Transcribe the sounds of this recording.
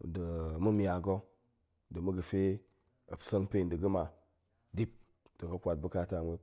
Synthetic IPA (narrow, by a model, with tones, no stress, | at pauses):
də˨mu˦mi˦a˨ɡo˦ | də˨mu˦ɡə˨fe˦ | ɐ˨psə˦n˦pe˦˨də˨ɡə˦ma˨ | di˦p̚ | d̥ə˨kɐ˨kʷa˨t̚bu˦ka˦ta˨mʷe˦